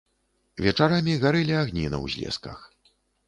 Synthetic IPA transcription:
vʲɛt͡ʂaɾamʲiɣaɾɨlʲiaɣnʲḭnɐ̰wzʲlʲɛ̰skɐ̰x

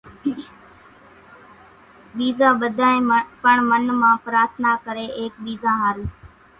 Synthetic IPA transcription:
ɓiːzãːɓəd̪ʱãːẽːpəɳmənmãːpəɾaːt̪naːkəɾeːʔeːk̚ɓiːzãːɦaːɾː

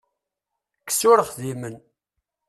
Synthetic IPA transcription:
ksʊɾəχðimən

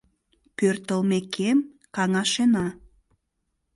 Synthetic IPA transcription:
pørt̪əlmekʰem | kɑŋɑʃenɑ

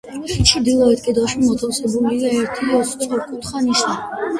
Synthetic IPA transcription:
ɔʃit͡ʃʰid̪ilˠaɛt̪kʼɛd̪aʃimɔt̪ʰafsɛbuliaɛɾt̪ʰiɔsʼɔʁɔkʼut̪χanisna

